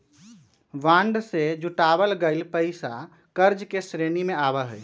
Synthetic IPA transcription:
ʋãɳɖsed͡ʒuʈabəlɡəɪlpəɪsa | kəɾd͡ʒkesɾenimẽabəɦəj

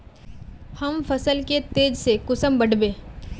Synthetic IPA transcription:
hɐmfɐsəlket̪eːd͡ʒsekʊsəmbɐɽbẽː

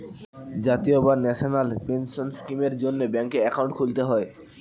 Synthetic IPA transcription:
d͡ʑat̪iobanɛʃonalpenʃonskimeɾd͡ʑonːebɛŋkeɛkawɳʈkʰult̪eɦɔe

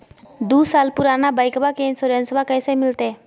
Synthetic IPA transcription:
d̪uːsaːlpʊɾaːnabaːɪkbakeɪnsoːɾẽnsbakɛːsemɪlt̪eː

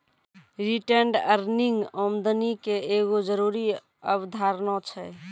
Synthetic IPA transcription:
ɾiʈəɳɖəɾniŋɡɔmd̪ənikeeɡod͡ʒəɾuɾi | əbd̪ʱaɾnɔ̃t͡ʃʰɛ

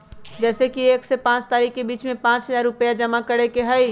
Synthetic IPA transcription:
d͡ʒɛːsekieːksepãːt͡ʃt̪aːɾikːebiːt͡ʃmẽpãːt͡ʃɦəzaɾːʊpjad͡ʒəmakəɾekeɦəj

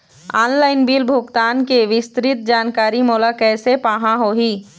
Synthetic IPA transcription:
aːnlaːɪnbiːlbʱʊɡt̪aːnkeʋɪst̪ɾɪt̪̚d͡ʒaːnkaːɾimoːlakɛːsepaːɦãɦoɦiː

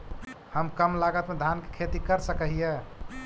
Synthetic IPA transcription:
həmkəmlaɡət̪med̪ʱanke̥kʰet̪ikəɾsəkəɦije

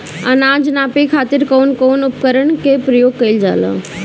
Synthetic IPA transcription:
ɐnaːd͡ʒnaːpikʰaːt̪ɪɾkoːnkoːnʊp̚kəɾəɳkepɾəjoːɡ̚kɐild͡ʒaːla̰ː

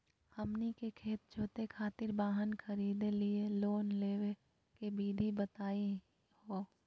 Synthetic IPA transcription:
hɐmnikekʰeːt̪̚d͡ʒʰʱoːt̪ekʰaːt̪ɪɾbaːɦənkʰɐɾiːd̪elieloːnleːwe | kebiːd̪ʱibət̪aːi | ho

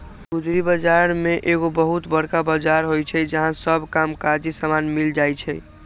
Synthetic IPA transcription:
ɡud̪ʱɾibəd͡ʒaɾmeʔeɣobəɦut̪bəɾkabəd͡ʒaɾɦojt͡ʃʰɛd͡ʒəɦãsəbkamkaɾd͡ʒisamanmild͡ʒajt͡ʃʰɛ

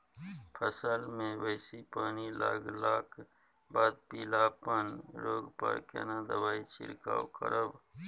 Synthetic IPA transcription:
pʰəsəlmẽwəɪsipaːnila̰ːɡlaːkʰ | baːd̪̚piːlapənɾoːɡpə̰ɾkḛːnad̪əbaːit͡ʃɪ̰ɾka̰ːwkəɾəb

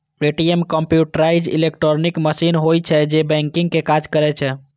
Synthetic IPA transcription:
eʈiemkəmpjuʈɾajd͡ʒḭlek̚ʈɾonikməsinɦojt͡ʃʰɛd͡ʒebɛ̃ŋkiŋɡkekad͡ʒkəɾɛt͡ʃʰɛ

